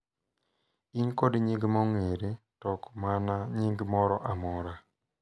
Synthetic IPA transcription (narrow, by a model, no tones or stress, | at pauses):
inkodɲiŋɡmɔŋeɾe | tɔkmanaɲiŋɡmɔɾɔʔamɔɾa